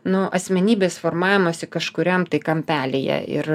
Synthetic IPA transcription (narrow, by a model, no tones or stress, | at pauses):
nʊʔɐsʲmʲɛnʲiːbʲeːsfoːrmɑːʋʲɪmoːsʲɪkɐʃkʊɾʲɛmt̪ɐɪkɐmʲpʲæːlʲejɛ̰ɪ̰ɾ